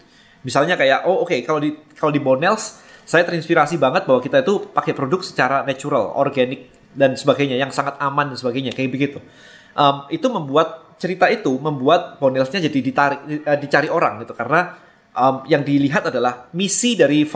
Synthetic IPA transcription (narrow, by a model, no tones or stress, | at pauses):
misalɲakajaʔookekaladikaladibonɛlsː | ajat̪əɾinspiɾasibaŋət̪̚baɦwakit̪ait̪upakɛpɾodʊk̚sə̥t͡ʃaɾanat͡ʃuɾa̰lɔ̰rɡanɪk̚ | dansəbaɡajɲajaŋsaŋat̪̚amandansəbaɡajɲakajabəɡit̪u | ʔəmit̪uməmbuat̪̚t͡ʃəɾit̪ait̪uməmbuat̪̚bonɛlsɲad͡ʒadidit̪aɾɪk̚ədit͡ʃaɾiʔoɾa̰ŋɡit̪ukaɾəna | ʔəmjaŋdiliɦat̪adalahmisidaɾif